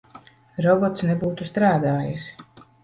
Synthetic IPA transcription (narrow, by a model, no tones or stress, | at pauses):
ɾɔbɔt̪snebuːt̪ust̪ɾaːd̪aːjis